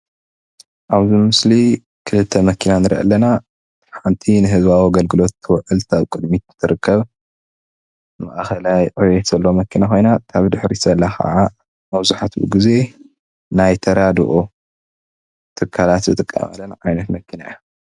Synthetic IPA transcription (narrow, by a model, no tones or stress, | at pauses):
ʔaβzimɨsli | kʰɨlɨt̪ʰːɐmɐkʰinanɨɾʔɐ̰lːɐna | ħant̪ʰinɨɦɨzβawaɡɐlɡɨlo̞t̪ːɨwʕɨlt̪ʰaβkʼɨd̪mit̪nt̪ʰɨɾɨkʰːɐβ | ma̰ʔaxɐlajʕujɛt̪z̥ɐlːomɐkʰinaxo̞jnakʰaβd̪ɨħɾisɐlːaxa̰ʕa | mɐβzuħat̪bɨ̰ɡize̞ | najt̪ʰɐɾad̪ɨ̰ʔo | t̪ʰɨkʰːalat̪zɨt̪ʼɨkʼːa̰ma̰lːɐnʕajnɐt̪mɐkʰːina̰ja